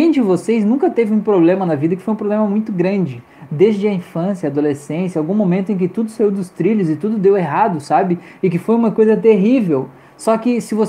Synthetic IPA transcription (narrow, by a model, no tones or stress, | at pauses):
ẽj̃d͡ʒɪvoseznũkɐt̪evɪũpɾoblẽmɐnɐvid̪ɐkɪ̥fojũpɾoblẽmɐmũj̃t̪ʊɡɾɐ̃d͡ʒɪ | d̪ezd͡ʒɪɐĩfɐ̃sjɐaːd̪olesẽsjɐawɡũmomẽnt̪ʊẽk̬ɪt̪ud̪ʊsaiwd̪ʊst̪ɾiʎʊzɪt̪ud̪ʊd̪eweɦad̪ʊsabɪɪkɪfojũmɐkojzɐt̪eɦivew | sɔkɪsɪvo